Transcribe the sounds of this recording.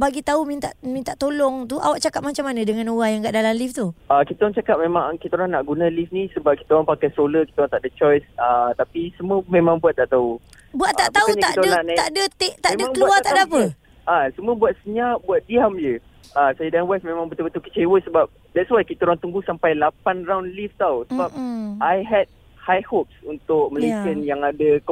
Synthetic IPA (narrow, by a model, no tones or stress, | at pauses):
baɡit̪aumint̪a̰ʔmint̪aʔt̪olɔŋt̪uʔa̰waʔt͡ʃakap̚mat͡ʃamanə̃dəŋãnuwajaŋkaʔdalamlift̪uakit̪əɾaŋt͡ʃakap̚mẽmaŋkit̪əɾaŋnaʔɡunãlifnĩsəbap̚ki̥t̪əaŋpakajsoləkit̪əaŋt̪aʔdət͡ʃɔjsat̪apisəməmẽmãŋbuat̪ːaʔt̪au | buaʔt̪ːaʔt̪auɲt̪akʔt̪əanaaʔdət̪eʔt̪amẽməmãŋbkəlauaaadapə | ʔasəmũəbuat̪̚səɲaʔbuat̪̚diamd͡ʒə | asajədanwasmẽmãŋbt̪ubət̪ukə̥t͡ʃewəsəbap̚ | dɛt̚swajkit̪aɾaŋt̪uŋɡusampajlapanraunlift̪awsəbap̚ʔajɦɛd̚ | hajhop̚sunt̪ʊk̚məlesənjaŋadək